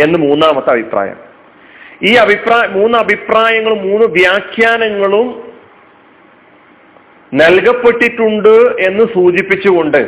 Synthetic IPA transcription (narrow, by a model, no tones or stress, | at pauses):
e̞nːɨmuːnːaːmɐt̪ːɐbʱipra̰ːjɐ̰m | iːɐbʱipraːjmuːnːɨɐbʱipraːjɐŋːɐɭumːuːnːɨʋjaːkʰjaːnɐŋːɐɭum | nelɣɐpːe̞ʈːiʈːuɳɖɨe̞nːɨsuːt͡ɕipːit͡ɕːuɣo̞ɳɖɨ